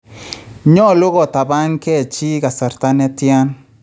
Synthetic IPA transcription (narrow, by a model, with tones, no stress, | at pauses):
ɲɔ˦lʊ˦ɣɔ˨ta˨ba˦ŋkɛ˦˨t͡ʃi˦ɡa˨sa˨ɾt̪a˦nɛ˦tja˦n